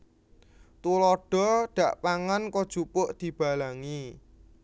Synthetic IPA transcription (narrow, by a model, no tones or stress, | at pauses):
t̪ulɔɖ̥ɔ̤ɖ̥ä̤ʔpaŋankɔd̥ʒ̥upʊʔd̪̥i̤b̥a̤laŋi